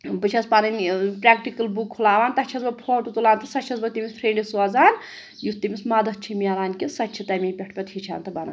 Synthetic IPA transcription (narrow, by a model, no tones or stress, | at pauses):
bɨt͡ʃʰɐspanɐnʲpɾʲaːkʈikɐlbukʰːulaːʋaːnt̪ɐt͡ʃʰɐzbɐpʰoːʈut̪ulaːnt̪ɐsɐt͡ʃʰɐzbɐt̪imʲispʰɾeɳɖisuɐzaːn | just̪imismɐd̪ɐt͡ʃʰimijɐlaːnʲkʲisɐtt͡ʃʰit̪ɐmʲiːpʲɐʈʰpʲɐt̪hit͡ʃʰa̰ːnt̪ɐbɐnɐ̰n